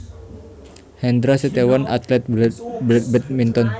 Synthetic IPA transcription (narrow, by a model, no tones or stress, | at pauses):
hɛnd̪ɾaset̪ewana̰t̪lɛt̪̚blɛt̪̚bɛt̪̚mint̪ɔn